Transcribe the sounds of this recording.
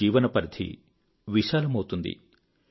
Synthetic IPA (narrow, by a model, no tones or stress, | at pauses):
iːʋɐnɐpɐɾd̪ʰʱḭ | ʋiʃaːlɐmɐwt̪und̪ḭ